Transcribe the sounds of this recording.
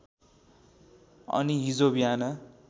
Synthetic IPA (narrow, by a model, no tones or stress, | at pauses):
ʌ̰niɦid͡zobijanʌ